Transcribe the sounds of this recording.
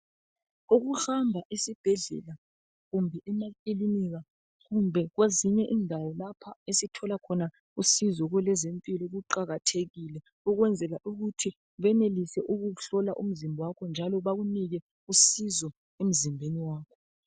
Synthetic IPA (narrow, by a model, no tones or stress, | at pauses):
uɣuxambʱaʔisib̥ʱɛɮɛ̰la | ɣumbʱɛɛmakʼiliniɣa | ɣumbʱɛɣweziɲɛʔiːndʱawɔlapʰaesitʰɔlakʰɔna | usizɔɣwɛlɛzempʼilɔɣuǃaɣatʰeɣilɛ | uɣwɛnd͡zʱɛlaʔuɣutʰi | βɛnelisɛʔuɣuɬɔlaʔṵm̩zimbʱɔwakʰɔnd͡ʒʱalɔβaɣuniɣɛ | usizɔ | em̩zimbʱeniwaːkʰɔ